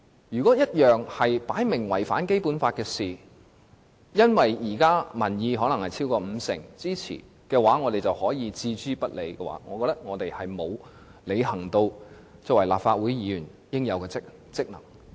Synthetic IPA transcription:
jyː˨kɔ˨˥jɐ˥t̚jœː˨ŋhɐ˨jpaː˨˥jmɪ˨˩ŋwɐ˨˩jfa̰ː˨˥nke˥jpuː˨˥nfaː˧t̚kɛː˧siː˨ | jɐ˥nwɐ˨jjiː˨˩kaː˥mɐ˨˩njiː˨˧ɦɔː˨˥lɐ˨˩ŋhɐ˨jt͡sʰi˥wkɔː˧m̩˨˧sɪ̰˨˩ŋt͡siː˥t͡sʰḭː˨˩ | kɛː˧waː˨˥ŋɔː˨˧t̪e˨jt͡sɐ˨˩whɔː˨˥jiː˨˧t͡siː˧t͡ʃyː˥pɐ˥t̚le˨˧jkɛː˧wa̰ː˨˥ŋɔː˨˧kɔː˧t̪ɐ˥k̚ŋɔː˨˧t̪e˨jhɐ˨jmo˨˧w | le˨˧jɦɐ˨˩ŋt̪o˧wt͡sɔː˧kwɐ˨˩jlaː˨p̚faː˧t̚wuː˨˥jjiː˨˧jyː˨˩n | jɪ˥ŋjɐ˨˧wkɛː˧ɪ˥k̚ | t͡sɪ˥k̚nɐ˨˩ŋ

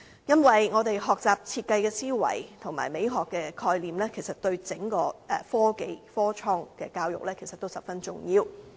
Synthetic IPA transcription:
jɐ˥nwɐ˨jŋɔː˨˧t̪e˨jɦɔː˨k̚t͡saː˨p̚t͡sʰiː˧t̚kɐ˧jkɛː˧siː˥wɐ̰˨˩jt̪ʰʊ˨˩ŋma̰ː˨˩jme˨˧jɦɔː˨kːɛː˧kʰɔː˧jliː˨˩mlɛː˥kʰe˨˩jsɐ˨t̚t̪ɵ˧ɥt͡sɪ˨˥ŋkɔː˧ʔɛ˨fɔː˥ke˧jfɔː˥t͡ʃʰɔː˥ŋkɛː˧kaː˧wjʊ̰˨k̚lɛː˥kʰjsɐ˨t̪ːo˥wsɐ˨p̚fɐ˥nt͡sʊ̰˨˩ŋjiː˧w

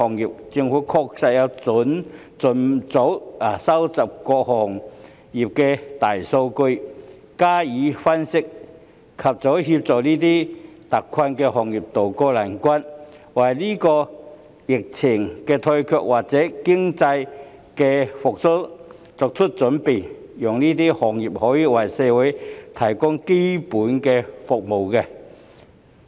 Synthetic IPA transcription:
ɔː˨ŋjiː˨p̚t͡sɪ˧ŋfuː˨˥kʰɔː˧k̚sɐ˨˧jjɐ˨˧wt͡sʊ˨˥n | t͡sʊ˨˥nt͡so˨˥wsɐ˥wt͡sɐ˨˩p̚kɔː˧k̚hɔː˨˩ŋ | jiː˨p̚kɛː˧t̪aː˨˩jso˧wkɵ˧ɥ | kaː˥jiː˨˥fɐ˥nsɪ˥k̚ | kʰɐ˨p̚t͡sɔ˨˥whi˧p̚t͡sɔː˨˩kniː˥t̪iː˥t̪ɐ˨kʰwɐ˧nkɛː˧ɦɔː˨˩ŋjiː˨˩p̚t̪o˨wkɔː˧laː˨˩nkʷɐ˥nwɐ˨˩jniː˥kɔː˧ | jɪ˨k̚t͡sʰɪ˨˩ŋkɛː˧t̪ʰɵ˧ɥkʰœː˧k̚wʔaː˨k̚t͡sɛː˨˥kɪ˥ŋt͡sɐ˧j | kɛː˧fʊ˨k̚sʊ˥ | t͡sɔː˨˧k̚t͡ʃʰɵ˥t̚t͡ʃɵ˨˥npe˨˩j | jɔː˨ŋniː˥t̪̬iː˥hɔː˨ŋjiː˨p̚hɔː˨˥jiː˨wɐ˨˩jsɛː˨˧wu˨˥jt̪ʰɐ˨˩jkʊ˥ŋke˥jpuː˨˥nkɛː˧fʊ˨k̚mo˨wkɛ˧

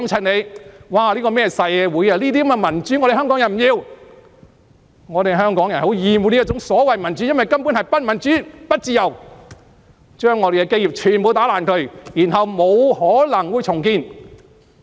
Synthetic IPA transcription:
mt͡sʰɐ˨nne˨˧jwaː˨liː˥kɔː˧mɛː˥sɐ˨˧jwuː˨˧jɐ˧liː˥t̪̬i˥˦mɛ˧mɐ˨˩nt͡ʃy˨˥ŋɔː˧ɾe˨ɦœː˥ŋkɔː˨˥ŋjɐ˨˩nm̩˨jiː˨˧w | ŋɔː˨˧t̪e˨˧ɦœː˥ŋkɔː˨˥ŋjɐ˨˩nho˨˥wjiː˨muː˨˧˥niː˥˩t͡sʊ˨˥ŋsɔː˨˥wɐ˨jmɐ˨˩nt͡ʃy˨˥jɐ˥nwɐ˨˩jkɐ˥mpu˨˥nhɐ˨jpɐ˥t̚mɐ˨˩nt͡ʃyː˨˥pɐ˥t̚t͡siː˨˧jɐ˨˩w | t͡ʃœː˥ŋːɔː˨˧e˨jkɛ˧ke˥ji˨p̚t͡ʃʰyː˨˩npo˨˧wt̪aː˨˥laː˨˩nkʰɵ˨˩ɥjiː˨˩nɦɐ˨wmo˨˧whɔː˨˥lɐ˨˩ŋwuː˨˧jt͡sʰʊ˨˩ŋkiː˧n

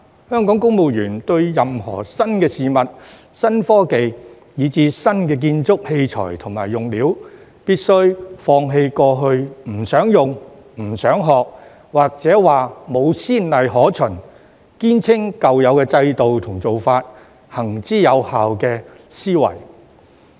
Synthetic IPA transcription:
hœː˥ŋkɔː˨˥ŋkʊ˥ŋmo˨˧wjyː˨˩nt̪ɵ˧ɥjɐ˨mhɔ̰ː˨˩sɐ˥nkɛː˧siː˨mɐ˨t̚ | sɐ˥nfɔː˥ke˨j | jiː˨˧˥t͡siː˨˧sɐ˥nkɛː˧k̬iː˧nt͡sʊ˥k̚he˧jt͡sʰɔ̰ː˨˩jt̪ʰʊ˨˩ŋmaː˨˩jːʊ˨ŋliː˨˥w | piː˥t̚sɵ˥ɥfɔː˧ŋɦe˧jkɔː˧ɦɵ˧ɥm̩˨˩sœː˨˥ŋjʊ˨ŋ | m̩˨˩sœː˨˥ŋɦɔː˨k̚ | waː˨k̚t͡sɛː˨˥waː˨mo˨˧wsiː˥nlɐ˨jɦɔː˨˥t͡sʰɵ˨˩n | kiː˥nt͡sʰɪ˥ŋkɐ˨wjɐ˨˧wkɛ˧t͡sɐ˧jt̪o˨wt̪ʰʊ˨˩ŋt͡so˨wfaː˧t̚ | hɐ˨˩ŋt͡siː˥jɐ˨˧whaː˨wkɛː˧ | siː˥wɐ̰˨˩j

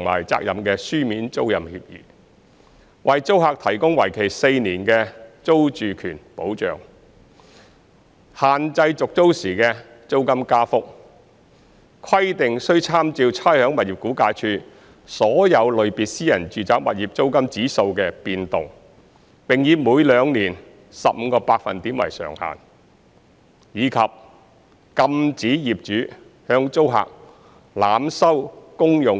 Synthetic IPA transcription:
ŋma̰ː˨˩jt͡sa̰ː˧k̚jɐ˨mkɛː˧syː˥miː˨˥nt͡so˥wjɐ˨mhḭː˧p̚jy̰ː˨˩ | wɐ˨jt͡so˥whaː˧k̚t̪ʰɐ˨˩jkʊ˥ŋwɐ˨˩jkʰe˨˩jse˧jniː˨˩nkɛː˧t͡so˥wt͡ʃyː˨kʰyː˨˩npo˨˥wt͡ʃœ̰ː˨ŋ | haː˨nt͡sɐ˧jt͡sʊ˨k̚t͡so˥wsiː˨˩kɛː˧ | t͡so˥wkɐ˥mkaː˥fʊ˥k̚ | kʰɐ˥jt̪ɪ˨ŋsɵ˥ɥt͡sʰaː˥mt͡siː˧wt͡sʰaː˥jhœː˨˥ŋmɐ˨t̚jiː˨˩p̚kuː˨˥kaː˧jt͡ʃʰyː˧ | sɔː˨˥jɐ˨˧wlɵ˨˧ɥpiː˨˩t̚siː˥jɐ˨˩nt͡ʃyː˨t͡saː˨˥k̚mɐ˨t̚jiː˨p̚t͡so˥wkɐ˥mt͡siː˨˥so˧wkɛː˧piː˧nt̪ʊ˨ŋ | pɪ˨ŋjiː˨˧muː˨˧jlœː˨˧ŋniː˨˩n | sɐ̰˨p̚m̩ː˨˧kɔː˧paː˧k̚fɐ̰˨nt̪iː˨˥mwɐ̰˨˩jsœ̰ː˨˩ŋha̰ː˨˩n | jiː˨˧kʰɐ˨p̚ | kɐ˧mt͡siː˨˥jiː˨p̚t͡ʃyː˨˥ | hœː˧ŋt͡so˥wɦa̰ː˨k̚ | laː˨msɐ˥wkʊ˥ŋjʊ˨ŋ

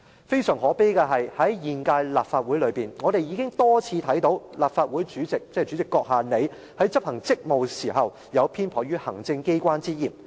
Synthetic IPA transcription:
fe˥jsœː˨˩ŋɦɔː˨˥pe˥kɛ˧ɦɐ˨jhɐ˨˥jjiː˨nkaː˧jlaː˨pfaː˧t̚wuː˨˥jlɵ˨˧ɥpiː˨nŋɔː˨˧t̪e˨jiː˨˧kɪ˥ŋt̪ɔː˥t͡sʰiː˧t̪ʰɐ˨˥jt̪o˨˥wlaː˨p̚faː˧t̚wu˨˥jt͡ʃyː˨˥t͡sɪ˨k̚t͡sɛ˥˨t͡ʃyː˨˥t͡sɪ˨kːɔː˧k̚ɦaː˨ne˨˧j | hɐ˨˥jt͡sɐ˥p̚hɐ˨˩ŋt͡sɪ˥k̚mo˨wsiː˨˩ɦɐ˨w | jɐ˨˧wpʰiː˥npʰɔː˨˩jyː˥hɐ˨˩ŋt͡sɪ˧ŋke˥jkʷaː˥nt͡siː˥jiː˨˩m

